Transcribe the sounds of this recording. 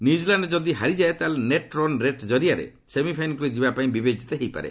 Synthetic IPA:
njud͡ʒilaɳɖd͡ʒɔd̪iɦaɾid͡ʒaet̪aleneʈɾɔnɾeʈd͡ʒɔɾiaɾḛ | semipʰajnɔkuɾid͡ʒibapaĩbibed͡ʒit̪eɦejpa̰ɾḛ

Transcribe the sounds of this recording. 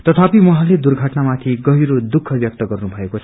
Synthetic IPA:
t̪ʌt̪ʰapimʌɦãled̪urɡʱʌʈnamat̪ʰiɡʌɦiɾod̪ukʰːʌbjʌk̚t̪ʌɡʌrnubʱʌekot͡sʰʌ

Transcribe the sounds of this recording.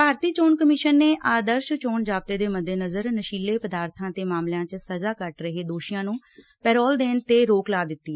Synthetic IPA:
baːɾt̪iːt͡ʃoːnkəmɪʃənːeːʔaːd̪əɾʃt͡ʃoːnd͡ʒaːb̚t̪eːd̪eːməd̪ʱːeːnəzəɾnəʃiːlːeːpəd̪aːɾt̪ʰãːt̪eːmaːmljãːt͡ʃsəzaːkəʈɾəɦeːd̪oːʃɪjãːnũː | pɛːɾɔːld̪eːnt̪eːɾoːklaːd̪ɪt̪ːiːɛ

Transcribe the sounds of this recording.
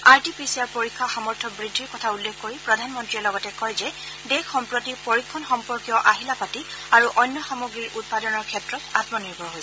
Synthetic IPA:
aɹtipisiaɹpoɹikʰːaxamɔɹtʰɔbɹidʱːiɹkɔtʰaulːekʰːkoɹipɹɔdʱanmɔntɹiɛlɔɡɔtɛkɔjzɛ | dekxɔmpɹotipoɹikʰːɔnxɔmpɔɹkijɔʔaɦilapatiaɹuʔɔjnːɔxamoɡɹiɹʔut̚padɔnɔɹkʰɛtɹɔtatmɔniɹbʱɔɹɦojsɛ

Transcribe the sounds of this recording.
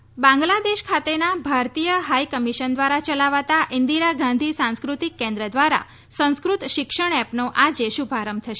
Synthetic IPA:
bãŋɡlad̪eʃkʰat̪enabʱaɾt̪ijəɦaikəmiʃənd̪ʋaɾat͡ʃəlaʋat̪aʔind̪iɾaɡãnd̪ʱisãñskɾut̪ikːɛ̃nd̪ɾəd̪ʋaɾa̰ | sə̃w̃skɾut̪ʃɪkʃəɳ̃ɛpnoʔad͡ʒeʃubʱaɾəmt̪ʰəʃe

